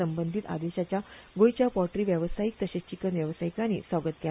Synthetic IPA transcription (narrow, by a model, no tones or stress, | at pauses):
əmbənd̪ʱit̪a̰d̪eɕat͡ɕjaɡojt͡ɕjapɔʈɾiːʋjəʋsajik̚t̪əɕet͡ɕikənʋjəʋsaikañḭsʋaɡət̪̚kɛ